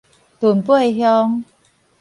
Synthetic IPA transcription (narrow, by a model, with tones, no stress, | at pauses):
t̪uː˨˩npu˥˩˨e˧˩ɦjɔː˧˥ŋ